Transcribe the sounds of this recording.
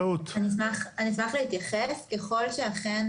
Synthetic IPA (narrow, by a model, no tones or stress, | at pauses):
ut̪anismaχanismaχle̞hit̪jaχeske̞χo̞lʃe̞aχen